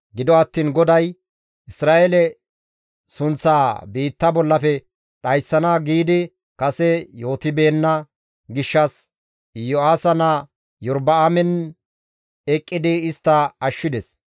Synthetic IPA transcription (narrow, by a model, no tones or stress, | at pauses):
ɡɪd̪ɔɐt̪ːiːnɡɔd̪ɐj | ʔɪsɾaːʔelɛ | sʊnt͡sːaːbiːt̪ːɐbɔlːɐfɛ | ɗɐjsːɐnaɡiːd̪ɪ | kɐsɛjo̞ːt̪ɪbeːnːɐ | ɡɪʃːɐs | jɔaːsɐnɐ | jɔɾbɐamɛn | ɛkʼːɪd̪ɪɪst̪ːɐɐʃːɪd̪ɛs